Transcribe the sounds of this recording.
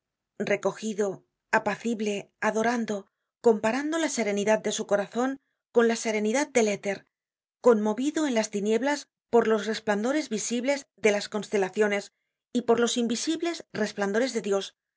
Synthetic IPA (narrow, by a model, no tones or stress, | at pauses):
re̞ko̞xiðo̞ | apaθiβle̞aðo̞ɾand̪o̞ | ko̞mpaɾand̪o̞lase̞ɾe̞niðat̪̚d̪e̞suko̞ɾaθo̞ŋ | ko̞nlase̞ɾe̞niðat̪̚d̪e̞let̪e̞ɾ | ko̞nmo̞βiðoe̞nlast̪inje̞βlas | po̞ɾlo̞sre̞spland̪o̞ɾe̞zβisiβle̞zðe̞lasko̞nst̪e̞laθjo̞ne̞s | ipo̞ɾlo̞simbisiβle̞sre̞spland̪oɾe̞zðe̞ðjo̞s